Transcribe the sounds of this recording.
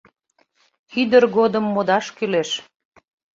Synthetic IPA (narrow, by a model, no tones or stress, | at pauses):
xyd̪ərɣod̪əmːod̪ɑʃkyleʃ